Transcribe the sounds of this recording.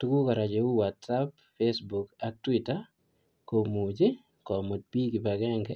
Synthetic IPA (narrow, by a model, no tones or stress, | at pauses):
tukukaɾad͡ʒeuwatsap | fesbukak̚twita | komud͡ʒe | kɔmot̚pikipakɛŋɡɛ